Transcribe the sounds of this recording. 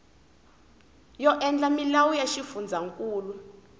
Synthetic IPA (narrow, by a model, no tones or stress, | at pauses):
jɔʔɛnd͡ɮamilawujaʃifund͡zʱaŋkʼuːlwɛ